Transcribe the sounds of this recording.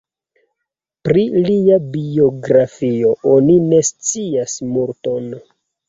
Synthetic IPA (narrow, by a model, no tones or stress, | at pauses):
pɾiliabio̞ɡɾafio̞o̞nine̞st͡siasmuɾto̞n